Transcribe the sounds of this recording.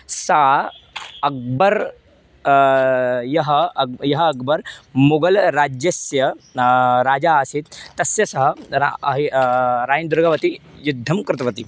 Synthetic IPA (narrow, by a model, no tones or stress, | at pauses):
saː | ɐk̚bɐɾ | jɐɦɐjɐɦɐːkbɐɾmuɡɐlɾaːd͡ʒjɐsjɐ | ɾaːd͡ʒaːsit̪t̪ːɐsjɐsɐɦɐaɐɦiɾaːjɐnd̪ʊɾɡɐʋɐt̪ijud̪ʱːɐmkɾɪt̪ʋɐt̪i